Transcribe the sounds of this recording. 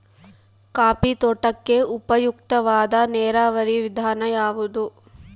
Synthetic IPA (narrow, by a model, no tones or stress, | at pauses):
kaːpit̪oʈɐkːe̞upɐjuk̚t̪ɐʋaːd̪ɐnɛːɾaːʋɐɾiʋid̪ʱaːnɐjaːʋud̪u